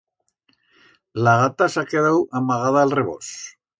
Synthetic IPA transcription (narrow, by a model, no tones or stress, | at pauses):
laɣat̪asakeðawamaɣ̞aðaːlreβo̰s